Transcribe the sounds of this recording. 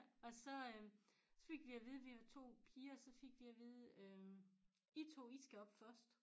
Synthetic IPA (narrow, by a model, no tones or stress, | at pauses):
ɒ̽sɒ̽øsɒ̽fe̝ɡ̥ʋiɑʋe̝ð̞ˠʋihæt͡sʰo̝̰ːpʰiːɐsɒ̽fe̝ɡ̥ʋiæʋeð̞̩ˠø | it͡sʰo̝̰ːisɡ̥æɒ̽b̥fɶɐsd̥